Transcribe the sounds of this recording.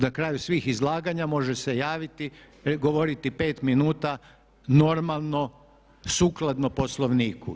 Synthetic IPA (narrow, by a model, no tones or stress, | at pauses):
nakɾaːjusʋiːxizlˠaːɡaɲamo̞ʒese̞jaːʋit̪i | ɡo̞ʋoɾit̪ipe̞ːt̪minuːt̪a | no̞ɾmalˠno̞ | suːklˠad̪nopo̞slˠo̞ʋniːkṵ